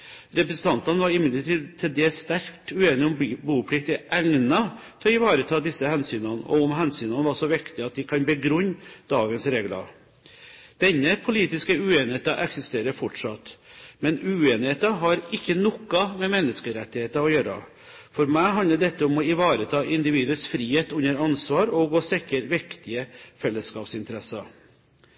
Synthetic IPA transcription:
ɾɛpɾəsn̩t̪ʰɑnt̪ɑnəʋɑɾɪmɪd̪ləʈiːd̪t̪ʰɪld̪ɛst̪æɾkt̪ʉeːnɪɔmbuːpʰlɪkt̪ɪʔæŋnɑt̪ʰɔɪʋɑːɾət̪ʰɑːd̪ɪsːəhɛnsyːnɑnəʔɔ̰ʊmɦɛnsyːnɑnəʋɑʂɔʋɪkt̪ɪɑt̪̚d̪ɪkʰɑnbəɡɾʉɲːd̪̥ɑːɡənsɾeːɡlɑ̰ | d̪̥ɛnːəpʰʊliːt̪ɪskəʉeːnɪheːt̪ɑʔɛksɪst̪eːɾəɾfɔʈʂɑt̪mɛnʉːeːnɪheːt̪ɑɦɑɾɪkːənɔkːɑmɛmɛnːəskəɾɛt̪ːɪheːt̪ɑɔjøːɾɑ̰ | fɔɾmæɪɦɑnləɖɛt̪ːəɔmɔɪʋɑːɾət̪ʰɑːʔɪnd̪ɪʋiːd̪əsfɾiːheːt̪ʉnːəɾɑnsʋɑːɾɔɡoːsɪkːəɾʋɪkt̪ɪəfɛlːəskɑːpsɪnt̪əɾɛsɑ

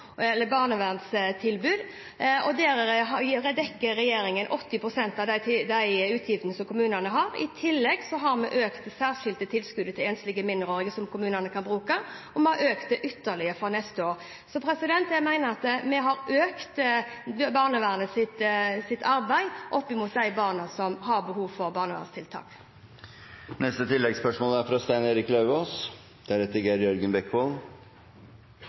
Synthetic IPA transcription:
ɛlːəbɑːʁnəʋæʁnst̪ʰɪlbʉːd̪ | ɔd̪ɛːɾəəɾɛd̪ɛkːəːɛjeːɾɪŋənʔɔt̪ːɪpʰɾʊsɛnt̪ɑd̪d̪æɪʉːt̪ʰjɪfd̪ənəsɔmkʰʊmʉːnənəɦɑɾɪ̰t̪ʰɪlːɛɡsɔɦɑɾmɛʔøːkt̪sæːʁʂɪld̪ət̪ʰɪlskʉd̪ət̪ʰɪlɛːnst̪lɪɡəmɪnd̪əɾoːʁɪɡəsɔmkʊmʉːnənəkʰɑnbɾʉːkɑʔɔmɛhɑɾøːkt̪̚d̪ɛʔʏt̪ːəʁɭɪəfɔnɛst̪əoːɾ | sɔpʰɾɛsɪd̪ɛnt̪æmæɪnəʁɑt̪mɛɦɑʁʔøːkt̪ | bɑːʁnəʋæːʁənəsɪt̪sɪt̪ːʰɑɾbæɪʔɔpːɪmuːt̪̚d̪æɪbɑːʁnɑsɔmhɑʁbəhuːʋfɔʁbɑːʁnəʋæ̰ːʁəst̪ʰɪlt̪ʰɑ̰ːk | nɛst̪ət̪ʰɪlːɛɡspœʂmoːlæɾfɾɑst̪æɪneːɾɪklɑʉoːs | d̪̥æɾɛt̪əɡeːɾjœɾɡənbɛkːʋol

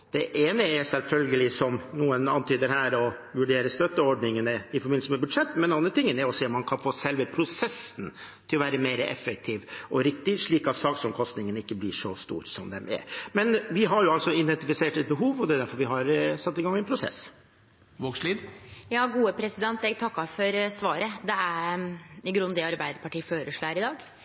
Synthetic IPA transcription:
d̪̥ɛʔeːnəɛsɛlfœlɡəlɪsɔmnuːənɑnt̪ʰyːd̪əɾɦæːɾɔ | ʋʉɖeːɾəst̪œt̪ːəɔɖnɪŋənəɪfɔɾbɪnsəmɛbʉd̪ʂɛt̪ːmɛnɛnɑnd̪ɾət̪ɪŋːənɛɾɔseːɔmːɑnkʰɑnfoːsɛlʋəpʰɾʊsɛsnt̪ʰɪlɔʋæːɾəmeːɾəʔɛ̰fək̚t̪ʰiːʋʔɔɾɪkt̪ɪʂɭiːkɑt̪sɑːksɔmkʰɔst̪nɪŋənɪkːəblɪʂɔst̪ṵːɾsɔmd̪ɛmʔɛ̰ɾmɛnʋɪɦɑɾjʊɑlsɔɪd̪ɛnt̪ɪfɪseːʈɛt̪̚bəɦuːʋɔd̪ɛːd̪æɾfɔɾʋɪɦɑɾsɑt̪ːɪɡɑŋːɛnpʰɾʊsɛ̰s | ʋoːksliːd̪jɑːɡuːəpʰɾɛsɪd̪ɛnt̪ɛɡ̚t̪ʰɑkːɑfɔɾsʋɑːɾəd̪ɛæ | ɪɡɾʉnd̪ɪɑɾbæɪd̪əpɑʈiːføːɾəʂɭːæɾɪd̪ɑːɡ

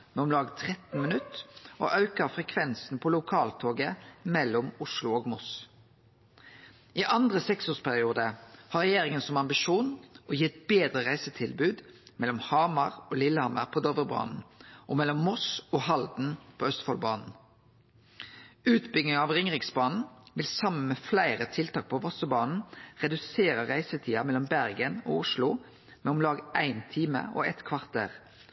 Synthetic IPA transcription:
mɛɔmlɑːɡt̪ʰʁɛt̪n̩mənʉt̪ːo̰ːʔɑʉkəfʁɛkʰʋɛnsn̩pʰɔːlʊkʰɑːlt̪ʰoːɡəmɛlːɔmʊʃlʊoːɡmɔs | iːʔɑnd̪ʁəsɛksoːspʰæʁɪuːd̪əhɑʁɛjeːʁɪŋənsɔmɑmbɪʃuːnɔjɪt̪beːd̪ʁəʁæɪsət̪ʰɪlbʉːd̪mɛlːɔmhɑːmɑʁoːlɪlːəhɑmə̰ʁpʰoːd̪ɔʋəʁbɑ̰ːnn̩ʔɔmɛlɔmːɔsɔːhɑld̪n̩pʰoːœst̪fɔlbɑ̰ːnn̩ | ʉːt̪bʏɡnɪŋɑʋʁɪŋʁɪksbɑːnn̩ʋɪlsɑmən̩mɛflæɪʁət̪ʰɪlt̪ɑːk̚pʰɔʋɔsəbɑːnn̩ʁɛd̪ʉseːɾəʁæɪsət̪ʰiːɑmɛlːɔmbæʁɡəno̰ːʊʃlʊ | mɛɔmlɑːɡæɪnt̪ʰiːmə̰ʔo̰ɛt̪kʰʋɑʁt̪̚ḛːʁ

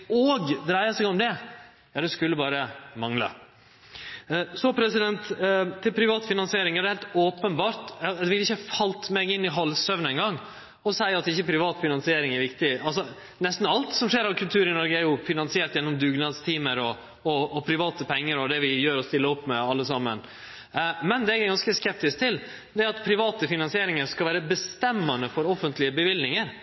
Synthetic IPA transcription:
oːɡd̪ɾæɪɑsɛɡɔmd̪ɛ | jɑːd̪ɛskʉlːəbɑːɾəmɑŋlə̰ | sɔpʰɾɛsɪd̪ɛnt̪t̪ʰːɪlpʰɾɪʋɑːt̪fɪnɑnsɪeːɾɪŋæɾɖ̪ɛhɛɪlt̪oːpənbɑːɾt̪ɑd̪ɛʋɪlːɪçːəfɑlt̪mɛɡɪnːɪɦɑlːsœʋnɛɪnɡɑŋː | ɔsæɪɑt̪ɪçːəpʰɾɪʋɑːt̪fɪnɑnsɪeːɾɪŋɛɾʋɪkt̪ɪɑls̬ɔ | nɛst̪n̩ɑlt̪sɔmʂeːɾɑkʰʉlt̪ʰʉːɾɪnɔɾɡəæɾjʊfɪnɑnsɪeːʈt̪jɛnːɔmd̪ʉːɡnɑːd̪st̪ʰiːməɾɔ | ɔːpʰɾɪʋɑːt̪əpʰɛŋːəɾɔd̪ɛʋɪjøːɾɔst̪ɪlːəɔpːmɛɑlːəsɑmːən | mɛnd̪ɛɛɡæɡɑnskəskɛp̚t̪ɪsk̚t̪ʰɪl | d̪ɛæɾɑt̪pʰɾɪʋɑːt̪əfɪnɑnsɪeːɾɪŋəɾskɑlʋæːɾəbəst̪ɛmːɑnəfɔɾɔfənt̪lɪəbəʋɪld̪nɪŋəɾ

